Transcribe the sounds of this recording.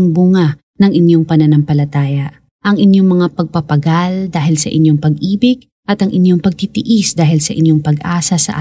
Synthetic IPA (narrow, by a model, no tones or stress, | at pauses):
ŋbʊŋa | nɐŋʔɪnjoŋpɐnɐnɐmpɐlɐt̪aːjɐ | ʔɐŋʔɪnjoŋmɐŋapɐɡ̚pɐpɐɡald̪aːɦɪlsɐ̰ʔɪ̰njoŋpɐɡʔiːbɪɡ̥̚ | ʔɐt̪ɐŋʔɪnjoŋpɐɡ̚t̪it̪ɪʔisd̪aːɦɪlsɐʔɪnjoŋpɐɡʔaːsɐsɐ̰ʔa